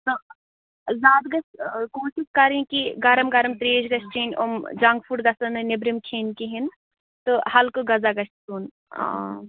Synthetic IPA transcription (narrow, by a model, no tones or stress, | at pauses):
t̪o | zaːd̪ɡɐskoːsiskɐɾĩkiɡɐɾɐmɡɐɾɐmt̪ɾeːd͡ʒɡɐsʈiːnʲo̰md͡ʒɐŋɡfʰuʈɡɐsɐnɨnebɾimkʰeːnkiɦin | t̪ɨhɐlkoɡɐzaɡɐst̪uːn | ã̰ː